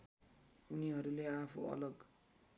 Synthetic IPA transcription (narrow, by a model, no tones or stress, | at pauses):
uniɦʌɾuleapʰṵʌ̰lʌɡ